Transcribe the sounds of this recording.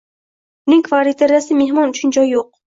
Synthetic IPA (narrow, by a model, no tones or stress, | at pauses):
niŋkʰvaɾit̪ʰeɾasimeɦmɒnut͡ʃʰind͡ʒɒjːoq̚